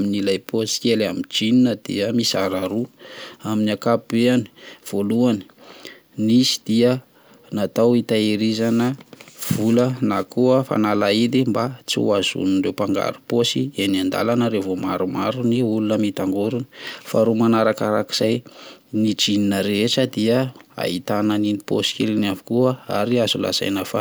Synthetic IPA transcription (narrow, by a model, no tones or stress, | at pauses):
minilajposi̥kelamid͡ʒininəd̪̥iəmisaɾaɾuaminiakapbeani̥v̥oluani̥ | nisi̥d̪̥iə | nat̪awit̪aeɾizanəv̥ulənakuəfa̰nalaid̪imbat͡sḭazṵnirewpaŋɡa̰ɾuposienand̪a̰lanəɾevoma̰ɾumaɾuniulunəmit̪aŋɡuɾunifaɾumanaɾakaɾaki̥z̥ajniʈ͡ʂininəɾeʈ͡ʂəd̪iəa̰it̪ananinipo̰si̥kḛlinavi̥kuəaɾiazula̰z̥a̰jnafa